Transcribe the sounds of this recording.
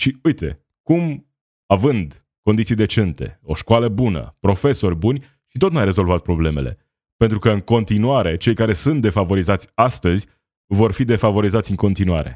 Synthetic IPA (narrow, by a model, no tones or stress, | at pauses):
ʃiujt̪e̞̰ | kum | avɨnd̪ | ko̞nit̪sijd̪e̞t͡ʃe̞nt̪e̞̰o̞ʃkwaləbunə̰pɾo̞fe̞so̞rʲbunʲ | ʃit̪o̞t̪nuajɾe̞zo̞lvat̪̚pɾo̞ble̞me̞̰le̞̰ | pe̞nt̪ɾukəɨŋko̞nt̪inuaɾe̞t͡ʃe̞jkaɾe̞sunt̪̚d̪e̞favo̞ɾizat̪sʲast̪əzʲ | vo̞rfid̪e̞favo̞ɾizat̪sʲɨŋko̞nt̪inuaɾe̞̰